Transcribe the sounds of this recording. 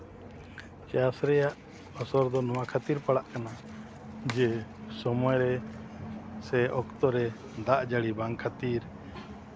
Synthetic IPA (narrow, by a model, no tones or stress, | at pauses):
t͡ʃasɾɛjaʔ | ɔsɔɾd̪ɔnɔwakʰat̪iɾpaɽaʔkana | d͡ʒɛsɔmɔjɾɛ | sɛʔɔkt̪ɔɾɛ | d̪aʔd͡ʒaɽibaŋkʰat̪iɾ